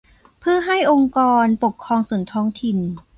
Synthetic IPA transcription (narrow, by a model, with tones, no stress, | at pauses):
pʰɯː˥˩ɐɦa˥˩jʔo˧ŋkɔː˧npo˨˩kʰːɾɔː˧ŋsu˨˩˦ənt̪ʰɔː˦˥ŋt̪ʰi˨˩n